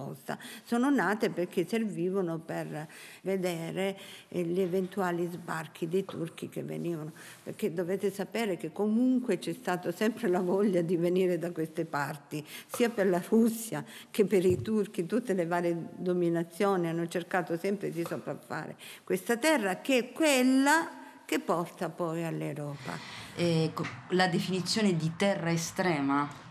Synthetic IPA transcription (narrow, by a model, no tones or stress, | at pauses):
ɔ̰st̪a̰soːnonaːt̪eperk̟ʰːeserviːvonoperved̪ɛːɾeʎevent̪uaːlizbark̟ʰid̪ejt̪urk̟ik̟ḛvːḛniːvano | pḛrk̟ːed̪ːovɛːt̪esapɛːɾekekːomuŋkwet͡ʃɛst̪aːt̪osɛmpɾelavɔʎːad̪iveniːɾed̪akwest̪epart̪isiːaperlarusːjak̟epːeɾit̪urk̟it̪ut̪ːelevaːɾjed̪ominat̪sːjoːnianːot͡ʃerkaːt̪osɛmpɾed̪isopɾafːa̰ːɾḛkwest̪at̪ɛrːak̟eɛkːwelːa | kepːɔrt̪apɔjalːewɾɔːpa̰ɛklad̪efinit̪sːjoːned̪it̪ɛrːaest̪ɾɛːma